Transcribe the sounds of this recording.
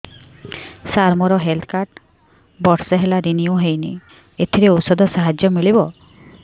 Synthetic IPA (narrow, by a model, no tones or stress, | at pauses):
saɾmɔɾɔɦelt̪ʰkaɾʈ | bɔɾsɔɦelaɾiniuɦejnḭ | et̪ʰiɾeosɔd̪ʱɔsaɦad͡ʒjɔmiɭibɔ